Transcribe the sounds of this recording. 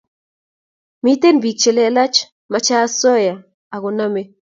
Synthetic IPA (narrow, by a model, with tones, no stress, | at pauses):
mi˦t̪e˦nbi˨k̚t͡ʃe˨le˦a˦la˦t͡ʃ | ma˨t͡ʃa˦sɔ˦ja˨ | a˨ɣʊ˨na˦me˦